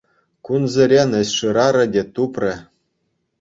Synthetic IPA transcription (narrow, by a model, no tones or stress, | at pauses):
kunzʲɘ̆ɾʲenɘ̆sʲʂɯɾɑɾɤ̆dʲet̪uprʲɘ̆